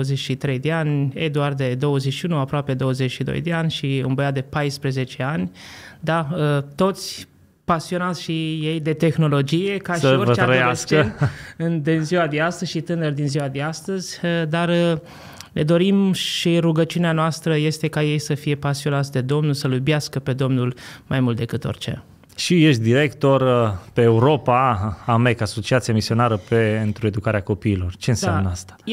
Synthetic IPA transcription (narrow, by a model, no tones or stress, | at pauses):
əzet͡ʃʃit̪ɾe̞jd̪eanʲed̪uard̪e̞d̪o̞wəzet͡ʃʃiunuapɾoape̞d̪o̞wəze̞t͡ʃʃid̪o̞̰jd̪e̞anʲʃiɨ̰nbəjat̪d̪e̞pajspɾeze̞t͡ʃe̞anʲd̪aət̪o̞t̪sʲ | pasio̞nat̪sʲʃije̞jd̪e̞t̪e̞xno̞lo̞d͡ʒije̞kaʃiorəeaɾəjaast͡ʃenɨnd̪inziwad̪east̪əzʲʃit̪ɨnərd̪inziwad̪east̪əzʲəd̪ar | ne̞d̪o̞ɾimʃiɾuɡət͡ʃiuneanoast̪ɾəje̞st̪e̞kaje̞jsəfije̞pasio̞nat̪sʲd̪e̞d̪o̞mnulsəlubjaskəpe̞d̪o̞mnulmajmult̪d̪e̞kɨt̪o̰rʲt͡ʃe̞̰ | ʃije̞ʃt̪̚d̪iɾe̞kt̪o̞rpeːuɾo̞paamekaso̞t͡ʃiat̪siamisio̞naɾəpeent̪ɾue̞d̪ukaɾeako̞piːlo̞rt͡ʃe̞ɨnsamnəast̪ḁ